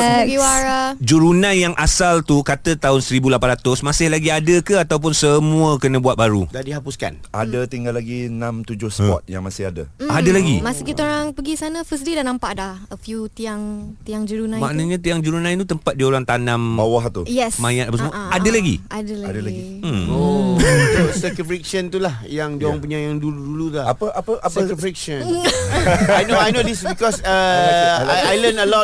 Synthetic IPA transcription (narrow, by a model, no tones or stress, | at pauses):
ɡiwaɾad͡ʒuɾunãnjaŋʔasalt̪ukat̪ət̪aɦʊnsəɾibulapanɾat̪ʊsmasɪhlaɡiadəkəat̪awp̬ʊnsəmuəkənə̃buat̪̚baɾṵdandiɦapʊska̰nadət̪iŋɡalːaɡinãmt̪ud͡ʒʊhsəpɔ̰t̪̚ja̰ŋmasɪhadə̰adəlaɡimasikit̪aoɾaŋpəɡisanə̃fəs̬didanãmpaʔdahəfjut̪iaŋt̪iaŋd͡ʒəɾunãmãʔnaɲãt̪iaŋd͡ʒəɾunãjt̪ut̪əmpat̪̚diaoɾaŋt̪anãmbawaɦt̪ujɛsmajãt̪apasəmuəadalaɡḭʔadəlaadalaɡɡi | o | səkjufik̚ʃənt̪ulahjaŋd͡ʒoɾaŋp̬uɲajaŋduluduludaapəapəʔaəkufik̚ʃən | ajnoajnodisbikɔsəajajlənəlɔ